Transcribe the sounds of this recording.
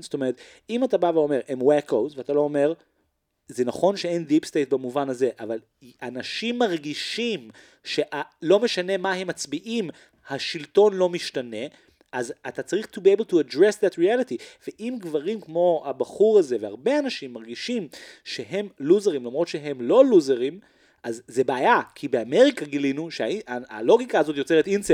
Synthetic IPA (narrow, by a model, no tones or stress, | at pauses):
st̪omeet̪ | imatabaveo̞me̞ʁemwekowzveatalo̞ome̞ʁ | zenaχo̞nʃeendipstejt̚bamuvanaze̞ʔaval | anaʃimːaʁɡiʃim | ʃe̞ʔalo̞me̞ʃane̞maɦe̞mːat͡sbiʔim | haʃilto̞nlo̞miʃtane̞ | ʔazatat͡saʁiχtubiebeltuadʁesðatʁialitiveʔimɡvaʁimkmo̞abaχuʁaze̞veaʁbe̞anaʃimːaʁɡiʃimʃeɦe̞mluzeʁimlamʁotʃeɦemlo̞luzeʁim | ʔazːe̞baːjakʰibeame̞ʁikaɡilinuʃeaialo̞ɡikaazo̞tjot͡se̞ʁetinse